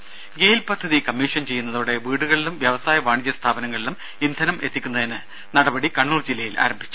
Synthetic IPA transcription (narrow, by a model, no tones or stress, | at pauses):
ɡe̞ːjilpɐd̪ʱːɐðikɐmːiːʂɐnt͡ɕe̞jːunːɐðuːɽe̞ʋiːɽuɣɐɭilumʋjɐʋɐsaːjɐʋaːɳid͡ʑːɐst̪ʰaːbɐnɐŋːɐɭilum | ind̪ʱɐnɐmʔe̞t̪ːikʲːunːɐðinɨ | nɐɽɐbɐɽikɐɳːuːrd͡ʑilːɐjilʔa̰ːɾɐmbʱit͡ɕːu̥